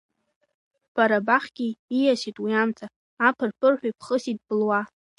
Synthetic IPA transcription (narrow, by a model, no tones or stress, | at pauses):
b̥aɾabaχʲɡ̥ʲiːjaʃitʼwiamt͡sʼʰaː | pʰɨrpʰɨrħʷᶣapʰχəsid̚bɨlwa